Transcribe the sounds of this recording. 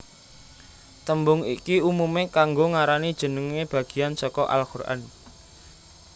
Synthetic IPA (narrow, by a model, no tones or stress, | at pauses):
t̪əmbʊŋḭkiumumekaŋɡoŋaɾanid̥ʒ̥ə̤nəŋeb̥ä̤ɡ̥i̤jansɔkɔʔa̰lkurʔa̰n